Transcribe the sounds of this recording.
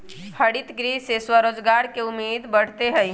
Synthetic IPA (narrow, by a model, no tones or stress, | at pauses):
pʰəɽit̪ɡɾiːseswəɾoːd͡ʒɡaːɾkeʊmːeːd̪bəɽ̤t̪eɦɛi